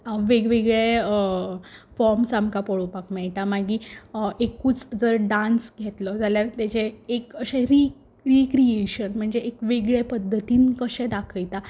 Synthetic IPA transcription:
ʋeɡʋeɡɭe | fɔɾmsamkapoɭopakmɛɭʈamaɡiːekuːt͡sd͡zəɾɖãnsɡʱet̪lɔd͡zaljaɾt̪jat͡ɕeːkəɕeɾi | ɾikɾieɕənm̤əɳd͡zeʔekʋeɡɭepəd̪ʱːət̪iːnkəɕẽd̪akʰəjt̪a

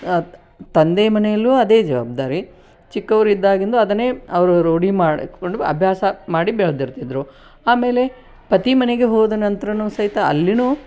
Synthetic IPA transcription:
t̪ɐnd̪eːmɐnɛjɐlːuɐd̪e̞ːd͡ʒɐʋa̰ːb̚d̪aːɾi | t͡ʃikːɐʋɐɾid̪ːaːɡind̪uɐd̪ɐneɐʋɐɾuɾoːɽimaːɽoɳɖuɐ̰bʱjaːsɐmaːɽibeɭɐd̪iɾt̪id̪ɾu | aːme̞ːle̞ | pɐt̪imɐneɡe̞ɦɔːd̪ɐnɐnt̪ɐɾɐnusɐɦit̪ɐɐ̰lːinuː

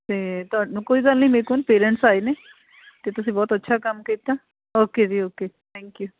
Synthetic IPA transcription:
t̪eːt̪ʊaːɖnũːkoːiːɡəlnəiːmekonpeːɾəɳʈsaːeneː | t̪eːt̪ʊsĩːbɔːt̪ətːʃʰaːkəmkiːt̪aː | oːkeːd͡ʒiːoːkeːt̪ʰɛ̃ːŋkjuː

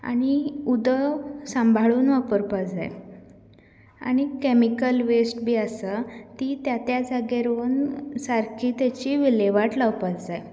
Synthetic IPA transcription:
a̰ɽ̃iud̪əsə̃mbʱaɭuːnʋapəɾpad͡za̰j | a̰ɽ̃ikemikəlʋesʈbʱiːəsət̪iːt̪jat̪jad͡zaɡeɾoːnsaɾkʰiːt̪jat͡ɕiːʋileʋaʈlawpat͡sd͡zaj

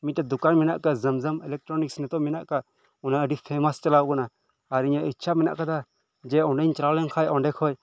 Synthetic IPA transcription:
miɛd̪ukanmɛna̰ʔkazəmzəmɛlɛk̚ʈɾɔniksnɛt̪ɔmɛnaʔka | unaəɖipʰɛmast͡ʃalawkɔnaː | ɾiɲaitːt͡ʃʰamɛna̰ʔkad̪a | d͡ʒɛɔɳɖɛɲt͡ʃɾalɛnkʰajɔɳɖɛkʰɔj

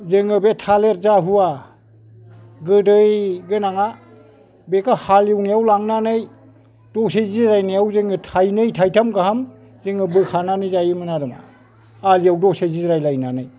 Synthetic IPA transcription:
zeŋɯbetʰaleɾ̚zaɦuwa | ɡɯdɯjɡɯnaŋa | bekahaliwnijawlaŋnanɯj | d̥ɔseziɾajnijawzeŋɯtʰajnɯjtʰajtʰamkaɦam | zeŋɯbɯkʰananɯjzajɯmɯnaɾɯma̰ | alijawdɔsezizɾajlajnanɯj

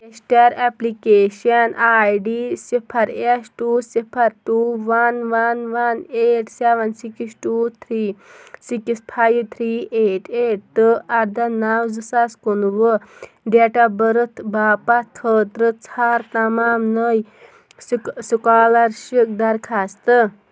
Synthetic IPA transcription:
esʈaɾɛplikeɕɐnajɖisipʰɐɾesʈuːsipʰɐɾʈuʋɐnʋɐnʋɐneʈseʋɐnsikisʈut̪ʰɾiːsikispʰajt̪ʰɾiːʔeʈeʈ̚t̪ɨʔɐɾd̪ʱɐnawd͡zɨsaskunuʋə | ɖeʈabəɾət̪ʰbaːpat̪̚ʰkʰəːt̪ɾət͡sʰaɾt̪ɐmaːmnəj | ssukaːlɐɾʃik̚d̪ɐɾkʰast̪ə

